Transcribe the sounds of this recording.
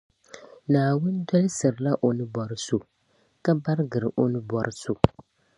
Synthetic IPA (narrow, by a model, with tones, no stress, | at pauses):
naː˨wʊ˦n˦dɔ˦lɨ˦sɨ˨ɾɨ˨la˦ʔo˨nɨ˦bɔ˨ɾɨ˦so˨ | ka˦ba˦ɾɡɨ˨ɾɨ˨ʔo˦nɨ˦bɔ˨ɾɨ˦su˨